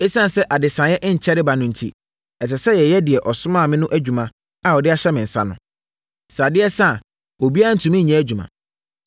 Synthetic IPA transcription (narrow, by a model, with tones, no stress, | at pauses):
e˦sã˦n˨sɛ˦ʔa˨dɪ˨sã˨jɛ˦ʔɪ˦ɲ̩˨t͡ɕʰɛ˦ɾɪ˦ba˨nʊ̃˦n̩˨tʰḭ˦ | ɛ˨s̬ɛ˨sɛ˦jɛ˨jɛ˦dɪ˨ɛ˨ʔɔ˨sʊ˦mã˦˨mɪ̃˦nʊ̃˦ʔæ˦d͡ʑᶣu˨mã˨ | a˨ɔ˨dɪ˦a˦ɕɛ˦mɪ̃˨n̩˨sã̰˦nʊ̰̃˨ | sa˨dɪ˦ɛ˦sa˦˨ | o˨bi˦a˦a˦n̩˨tʰũ˨mɪ̃˦ɲ̩˨ɲɛ̃˦æ˦d͡ʑᶣu˨mã̰˨